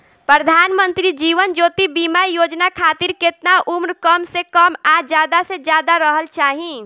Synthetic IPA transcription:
pɾəd̪ʱaːnmənt̪ɾid͡ʒiʋənd͡ʒot̪ibimaijod͡ʒnakʰat̪iɾket̪naʔumɾkəmsekəmad͡ʒjad̪ased͡ʒjad̪aɾəɦəlt͡ʃaːɦĩ

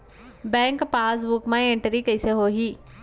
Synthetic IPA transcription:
bɛ̃ːŋkpaːs̬bʊkmãẽɳʈəɾikɐiseɦoːɦiː

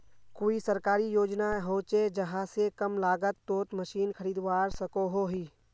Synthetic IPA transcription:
koːisəɾkaːɾijoːd͡ʒnaɦoːt͡ʃed͡ʒəɦãsekəmlaːɡət̪ːoːt̪məʃiːnkʰəɾiːd̪waːɾsəkoɦoɦiː

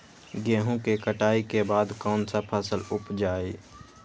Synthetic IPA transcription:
ɡeːɦõkekəʈaːikebaːd̪kɔːnsapʰəsəlʊpd͡ʒaːe

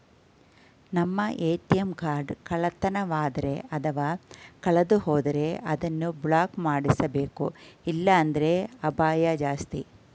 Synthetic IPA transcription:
nɐmːɐʔeːt̪ijɐmkaːɾɖkɐɭɐt̪ɐnɐʋaːd̪ɐɾe̞ʔɐt̪ʰɐʋaːkɐɭɐd̪uhoːd̪ɐɾe̞ʔɐd̪ɐnːubɭaːkmaːɽisɐbe̞ːkuilːɐːnd̪ɐɾe̞ɐbaːjɐd͡ʒaːst̪i

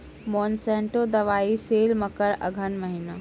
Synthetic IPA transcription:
mɔːnsɛ̃ːɳʈod̪ɐʋaːiseːlmɐkəɾɐ̰ɡʱənʋɐɦina

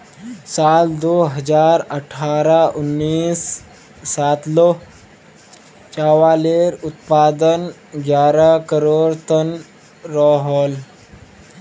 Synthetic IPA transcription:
sald̪oɦəd͡zaɾəʈʰaɾaʔunːiːsː | at̪lo | t͡ɕaʋaleɾut̪pad̪ən | ɡjaɾakəɾoɽt̪ən | ɾɔɦɔl

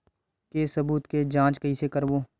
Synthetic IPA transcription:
kesɐbuːt̪ked͡ʒãːt͡ʃkəisekəɾʋoː

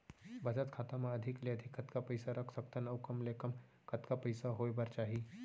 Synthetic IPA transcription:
bəd͡zət̪kʰat̪amaəd̪ʱikleəd̪ʱikʰːət̪kapəjsaɾəkʰsək̚t̪ənəwkəmlekəm | kət̪kapəjsaɦojbəɾt͡ʃaɦi

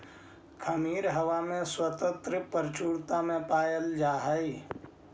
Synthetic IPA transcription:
kʰəmiːɾɦəwamẽswət̪ə̃nt̪ɾəpəɾt͡ʃuːɾt̪amẽpaːjəld͡ʒaːɦəi

